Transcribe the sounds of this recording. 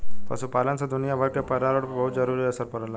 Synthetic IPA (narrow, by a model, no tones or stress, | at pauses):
pa̰sũːpalant͡sad̪unijabʱaʈjapəɾaɾəʈbəɦut̪d͡zəɾuɾiːəsəɾpəɾala